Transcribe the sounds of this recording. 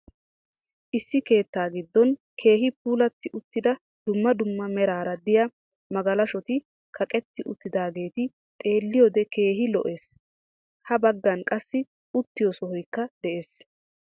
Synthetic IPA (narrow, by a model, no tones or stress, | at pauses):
ʔɪsːɪke̞ːt̪ːaːɡɪd̪ːɔnkʰe̞ːɦɪp̚uːlɐt̪ːɪʔʊt̪ːɪd̪ɐ | d̪ʊmːɐd̪ʊmːɐmɛɾaːɾɐd̪ɪjɐ | mɐɡɐlɐʃɔt̪ɪ | kʰɐkʼɛt̪ːɪʔʊt̪ːɪd̪aːɡe̞ːt̪ɪ | t̪ʼe̞ːlːɪjɔd̪ɛke̞ːɦɪlɔ̰ʔe̞ːs | hɐbɐɡːɐnkʼɐsːɪ | ʊt̪ːɪjɔsɔhɔjkːɐd̪̥ɛʔe̞ːs